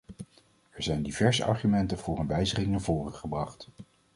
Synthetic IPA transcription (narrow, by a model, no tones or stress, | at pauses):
ɛɹzɛjndivɛɹzə̰ʔɑ̰ɹχymɛntəvʊːrənʋɛjzəχɪŋnaːɹvoːrəχəbrɑχt